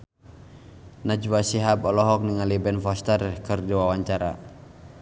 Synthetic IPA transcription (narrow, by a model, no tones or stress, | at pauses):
nad͡ʒwasiɦapɔlɔɦɔk̚niŋalibɛnfɔst̪ərkɨrdiwawaɲt͡ʃaɾa̰